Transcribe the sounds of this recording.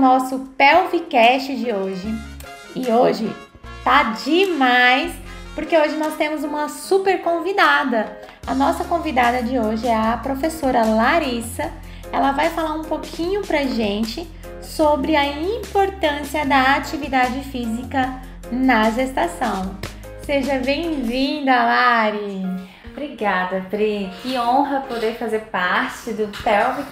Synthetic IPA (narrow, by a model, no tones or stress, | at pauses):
nɔsʊpɛwvikɛst͡ʃɪd͡ʒɪoʒɪ | ɪoʒɪ | t̪ad͡ʒɪmajs | poɾkeoʒɪnɔst̪ẽmʊzũmɐsupeɾkõvid̪ad̪ɐ | ɐnɔsɐkõvid̪ad̪ɐd͡ʒɪoʒɪɛɐpɾofesoɾɐlaɾisɐ | ɛlɐvajfalaɾũpokʰĩɲʊpɾɐʒẽnt͡ʃɪ | sobɾɪɐĩpoɾt̪ɐ̃siɐd̪ɐat͡ʃivid̪ad͡ʒɪfizikɐ | nɐʒest̪asɐ̃w̃ | seʒɐbẽj̃vĩd̪ɐɐlaɾi | bɾiɡad̪ɐpɾikɪõɦɐpod̪eɾfazeɾpaɾt͡ʃɪd̪ʊt̪ɛwm